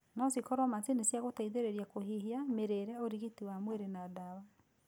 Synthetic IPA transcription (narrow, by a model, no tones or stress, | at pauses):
nasikɔɾwamatinesjaɣotaiðeɾeɾjakohihiameɾeɾɛoɾiɣitiwamweɾenadawa